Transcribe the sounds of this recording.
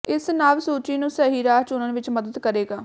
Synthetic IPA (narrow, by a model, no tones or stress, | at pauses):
ɪsnaːʋsuːt͡ʃiːnũːsɛːɦiːɾaːt͡ʃʊnənʋɪt͡ʃməd̪əd̪kəɾeːɡaː